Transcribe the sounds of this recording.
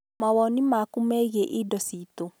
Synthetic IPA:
mawɔnimakumɛɣeʔidɔsito

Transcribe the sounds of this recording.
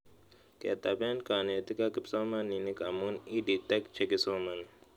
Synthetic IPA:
kḛt̪abenkaːnet̪ikakipsoːmɐnːinikɐmunidit̪ɐkt͡ʃʰekisoːmɐn

